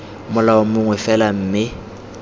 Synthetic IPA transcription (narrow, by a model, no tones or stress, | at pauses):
mʊlaʊmʊŋwɛfɛlam̩ːmɪ